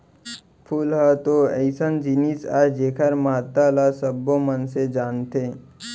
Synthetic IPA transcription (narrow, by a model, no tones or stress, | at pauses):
pʰulɦət̪oəɪsənd͡ʒinisaːd͡ʒeːkʰəɾmaːt̪alasəbːomənsed͡ʒaːnt̪ʰe